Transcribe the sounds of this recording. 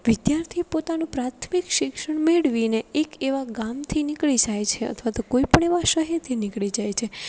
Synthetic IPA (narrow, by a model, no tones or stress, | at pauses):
ʋɪd̪jaɾt̪ʰipot̪anũpɾat̪ʰmikʃɪkʃəɳmeɭʋineekeʋaɡamt̪ʰinɪkɭid͡ʒajt͡ʃʰeə̰t̪ʰʋat̪okoipəɳeʋaʃəɦet̪ʰinɪkɭid͡ʒajt͡ʃʰe